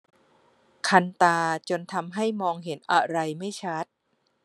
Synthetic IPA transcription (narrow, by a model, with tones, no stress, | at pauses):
kʰa˧nt̪aː˧t͡ɕo˧nt̪ʰa˧mɦa˥˩jmɔː˧ŋɦe˩˦nʔa̰˧ɾa˧jma˥˩jt͡ɕʰa˦˥t̪̚